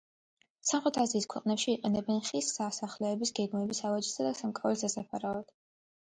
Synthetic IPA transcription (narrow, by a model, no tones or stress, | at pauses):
samχɾɛt̪ʰaziːskʰwɛqʼnɛpʃiːqʼɛnɛbɛnχisːasaχlɛːbisɡɛɡmɛbisavad͡ʒisad̪asamkʼavɛsd̪asapʰaɾavɛd̪̥